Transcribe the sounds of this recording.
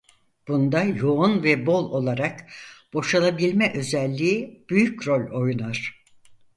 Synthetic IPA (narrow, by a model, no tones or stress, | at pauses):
b̥und̪ajo̞unvɛbo̞lˠo̞lˠaɾakb̥o̞ʃalˠabilʲmɛʔø̞zɛlʲːiːb̥yjycɾo̞lʲo̞junaɾ̥